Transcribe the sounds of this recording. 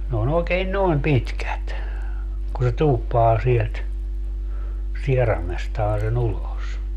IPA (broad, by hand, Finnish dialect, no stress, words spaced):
n oːn oːkeːn noem pitkæt ku se tuːpːɑː sielt sierɑmestɑː sen ulos